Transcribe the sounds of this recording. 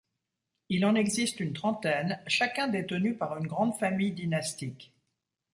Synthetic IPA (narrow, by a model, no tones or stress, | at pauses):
ilɑ̃nɛɡzist̪ynt̪χɑ̃t̪ɛnʃakʲɛ̃d̪et̪ənypaʁynɡʁɑ̃d̪famijd̪inast̪ik